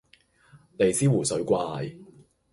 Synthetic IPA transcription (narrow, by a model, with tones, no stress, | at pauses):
ne˨˧jsiː˥wuː˨˩sɵ˨˥ɥkʷaː˧j